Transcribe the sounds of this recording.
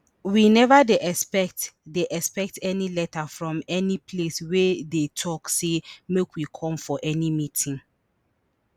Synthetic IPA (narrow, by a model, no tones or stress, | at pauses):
winɛvadeʔɛspɛktdeʔɛspɛk̚tɛnilɛtafɹɔ̃mɛnipʰleswɛdetʰɔksemekwikʰɔ̃mfɔʔɛnimitʰĩŋ